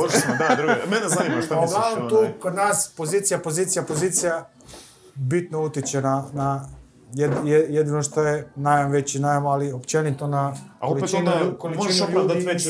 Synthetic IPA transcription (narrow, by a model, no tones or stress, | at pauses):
ɾmod̪ad̪ɾumenezanimaʃt̪aaoɡlanomt̪uːkod̪naːspoziːt̪sijapozit̪sijapo̞ziːt̪sija | bit̪nout̪it͡ɕenana | jed̪jejed̪ino̞ʃt̪ojenajanʋet͡ɕinajmoaliopt͡ɕenit̪onaka̰oliett͡ʃnkolimʒiʃojad̪aiʋe